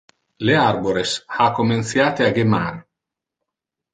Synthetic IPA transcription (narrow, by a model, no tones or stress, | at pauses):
learboɾeshakomensjaːt̪eaɡema̰ɾ